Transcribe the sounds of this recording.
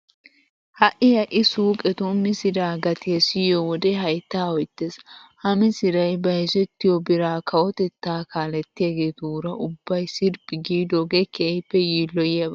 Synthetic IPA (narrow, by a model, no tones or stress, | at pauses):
hɐʔɪhɐʔɪsuːkʼɛt̪ʊmɪsɪd̪aːɡɐt̪ɪɐsɪjɔwɔd̪eɦɐjt̪ːaːɔjt̪ːeːshɐmɪsɪɾɐjbɐhɛzɛt̪ːɪjɔbɪɾaːkʰɐwɔt̪ɛt̪ːaːkaːlɛt̪ːɪjaɡeːd̪uːɾɐʔʊbːɐjsɪɾbɪɡiːd̪ɔɡekʰejpːɛjiːlːɔjɐb